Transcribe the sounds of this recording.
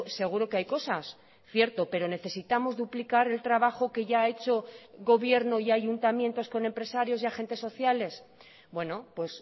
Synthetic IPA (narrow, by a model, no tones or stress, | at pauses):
seɣ̞uɾo̞keajko̞sas | θje̞ɾt̪o̞pe̞ɾo̞ne̞θe̞sit̪amo̞zðuplikaɾe̞lt̪ɾaβaxo̞ke̞ʝaːe̞t͡ʃo̞ɣo̞βje̞ɾno̞iaʝunt̪amje̞nt̪o̞sko̞ne̞mpɾe̞saɾjo̞siaxe̞nt̪e̞sːo̞θjale̞s | bwe̞no̞pwe̞s